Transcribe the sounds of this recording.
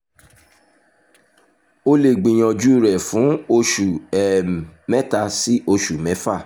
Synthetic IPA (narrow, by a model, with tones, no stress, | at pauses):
o˧le˨ɡ͡bĩ˨j̃ɔ̃˧d͡ʒu˦˨ɾɛ˨fũ˨˦o˧ʃu˨ɛ˨mɛ˦ta˧si˦ʔo˧ʃu˨mɛ̃˨˦fa˦˨